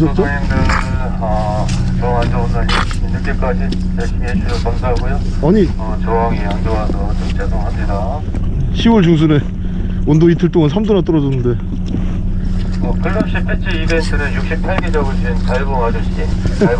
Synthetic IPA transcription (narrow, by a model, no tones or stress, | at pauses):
sʰʌt͡ɕ͈o | kɯ | ʌ | t͡ɕʌand͡ʑʌondai | inuɭk͈ek͈ad͡ʑi | paɭɕ͈ʰimeɕʰusʰʌkamsʰaɦaɡojo | aɲiʌt͡ɕʌɦaŋiaŋd͡ʑoŋasʰʌt͡ɕʌŋt͡ɕ͈adoŋɦamɲida | ɕʰiwʌɭd͡ʑuŋs̬ʰune | ondoitʰɯɭt͈oŋansʰamdonat͈ʌɾʌd͡ʑʌnːɯnde̞ | ʌkɯɭːʌmɕ͈ʰipʰet͡ɕ͈ʰiibentʰɯɾɯjuk̚ɕ͈ik̚pʰaɭɡed͡ʑaɡɯɭt͡ɕinkaɭɡoŋad͡ʑoɕ͈i